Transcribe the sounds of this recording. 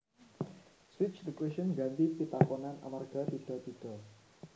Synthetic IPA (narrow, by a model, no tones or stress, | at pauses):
swɪt͡ʃlikweʃənɡant̪ipit̪akɔnanʔa̰marɡ̥a̤t̪id̪̥ɔ̤t̪id̪̥ɔ̤